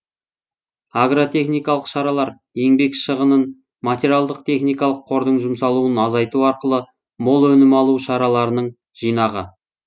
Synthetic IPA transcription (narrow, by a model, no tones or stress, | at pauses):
aɡrot̪ʰe̞χnijkɑlˠəqʃɑɾɑlˠɑɾ | e̞ŋbe̞kʃəʁənən | mat̪ʲeɾʲialˠd̪əqt̪ʰe̞χnijkɑlˠəqʰːo̞ɾd̪əɴʒʊmsɑlˠuənɑzɑjt̪uɑɾqəlˠə | mo̞lˠɵnɪmɑlˠuʃɑɾɑlˠɑɾənəɴ | ʒ̥ijnɑʁə̰